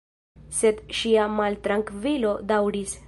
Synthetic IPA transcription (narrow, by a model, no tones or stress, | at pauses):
se̞d̪ʃiamalt̪ɾaŋkvilo̞dawɾis